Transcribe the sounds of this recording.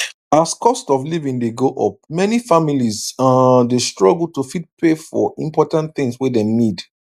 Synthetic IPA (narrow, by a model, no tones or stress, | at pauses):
askʰɔstɔflivĩŋdeɡoʔɔ̰p̚mɛnifamilizãdestɹɔɡl̩ˠtufid̚pʰefɔ̰ĩmpɔtãnθɪ̃ŋswɛdɛ̃mnid